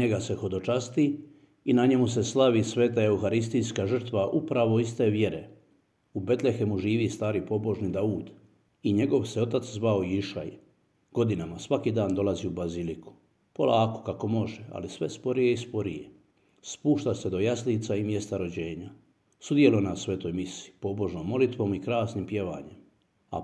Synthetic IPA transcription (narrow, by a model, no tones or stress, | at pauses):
ɲeɡase̞xo̞d̪o̞t͡ʃast̪i | inaɲe̞mus̬e̞slˠaʋisʋe̞ːt̪ae̞uxaɾis̬t̪ijskaʒr̩t̪ʋaʔupɾaʋo̞ist̪e̞ʋje̞ɾe | ube̞t̪le̞xemuʒiːʋist̪aːɾipo̞bo̞ʒnid̪auːd̪ | iɲe̞ɡo̞ʋse̞o̞t̪at̪szʋaoiiʃa̰j | ɡ̥o̞d̪inamasʋakiːd̪aːnd̪o̞lˠaziubaziliku̥ | po̞lˠʔaːko̞̥kako̞mo̞ʒea̰lisʋe̞spo̞ɾije̞ispo̞ɾije | spuːʃt̪ased̪o̞jasliːt̪saimje̞st̪aɾo̞d͡ʑe̞ːɲa | sud̪je̞lonasʋe̞t̪o̞ːjmisiipo̞bo̞ʒnoːmːo̞lit̪ʋo̞ːmikɾaːsnimpje̞ʋa̰ːɲem | a̰